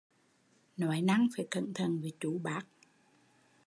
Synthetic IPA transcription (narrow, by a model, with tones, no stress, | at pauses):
nɔ˨˦jna˧ŋfaː˨˦jkə̰˧˨nt̪ʰə˨˩˨nvi˨˩˦t͡ɕu˨˦ɓaː˦˥k̚